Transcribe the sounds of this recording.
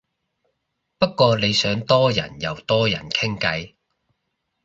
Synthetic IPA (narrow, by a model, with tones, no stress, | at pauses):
pɐ˥t̚kːʷɔː˧le˨˧jsœː˨˥ŋt̪ɔː˥jɐ̰˨˩njɐ˨˧wt̪ɔː˥jɐ̰˨˩nkʰɪ˥ŋkɐ˨˧j